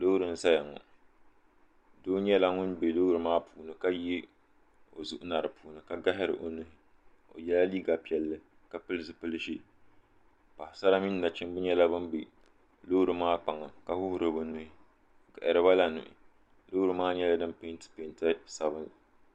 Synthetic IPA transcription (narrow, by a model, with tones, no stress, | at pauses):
lo˦ɾɨ˨n̩˦sa˦ja˨ŋɔ̰˨ | doː˦ɲɛ˦la˦ŋʊ˦nbe˨lo˦ɾɨ˨maː˦pʰuː˨nɨ˦ka˦ji˦ | o˨zu˦ʔʊ˦na˨ɾɨ˨puː˨nɨ˨ka˦ɡa˦ɦɪ˦ɾɨ̰˨ʔo˨nʊ˦hɪ˦ | o̰˨jɛ˦la˦liː˦ɡa˨pi˦ɛ˨lːɨ˨ | ka˦pɨ˦lɨ˦sɨ˦pɨ˦lɨ˦ʃi˦ | pa˨hɪ˨sa˦ɾa˦mi˦nː˦a˨t͡ʃɪ˦mbʊ˦ɲɛ˦la˦bɨ˦nbe˨ | lo˦ɾɨ˨maː˦k͡pa˨ŋa˨ka˦hʊ˦hʊ˦ɾɨ˨bɨ˦nu˦hɪ˦ | ka˨ʔɪ˨ɾɨ˨ba˦la˨nʊ̰˨ʔɪ̰˨ | lo˦ɾɨ˨maː˦ɲɛ˦la˦dɨ˦mpe˦ntɨ̥˦pe˨nta˦sa˨βɨ˦n